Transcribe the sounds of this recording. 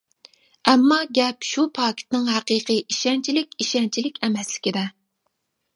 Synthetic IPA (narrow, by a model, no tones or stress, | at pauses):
ɛmːɑɡʲɛpʃupʰɑːkʲi̥t̪nɪŋɦæqiːqʰɨʔiʃɛnt͡ʃʰilɪkʲiʃɛnt͡ʃʰilɪkʲɛmɛslɪ̥kʲid̪ɛ